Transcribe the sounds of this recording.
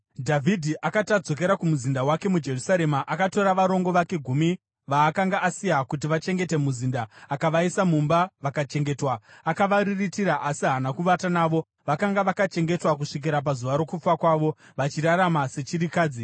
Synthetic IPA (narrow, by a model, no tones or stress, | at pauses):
dʱavʱidʱiʔakatad͡zo̞k̬e̞ɾakumuzindawake̞mud͡ʒe̞rusaɾe̞maʔakato̞ɾaʋaɾo̞ŋɡo̞ʋake̞ɡʱumi | ʋaːkaŋɡaʔːsijakut̬iʋat͡ʃe̞ŋɡe̞te̞muzindaːkaʋaisamumbaʋakat͡ʃe̞ŋɡe̞twaːkaʋariritiɾaʔasiɦanakuʋatanaʋo̞ | ʋakaŋɡaʋakat͡ʃe̞ŋɡe̞twak̬uʂik̬iɾap̬azuʋaɾo̞kup͡fakwaːʋo̞ | ʋat͡ʃiraramase̞t͡ʃiɾikaːd͡zi